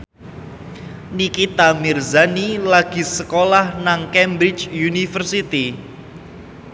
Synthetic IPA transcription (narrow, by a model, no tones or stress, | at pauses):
nikit̪amirzanilaɡ̥i̤səkolahnaŋkɛmbɾit͡ʃjunifərsit̪i